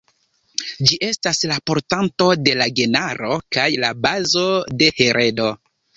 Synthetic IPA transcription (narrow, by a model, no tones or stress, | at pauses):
d͡ʒiʔe̞staslapo̞ɾtanto̞de̞laɡe̞naɾo̞kajlabazo̞de̞he̞ɾʔe̞do̞